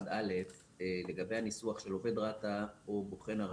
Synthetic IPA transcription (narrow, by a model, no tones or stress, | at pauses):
dale̞f | le̞ɡabe̞jhanisuaχʃe̞lo̞ve̞d̪ʁat̪aoboχe̞naʁ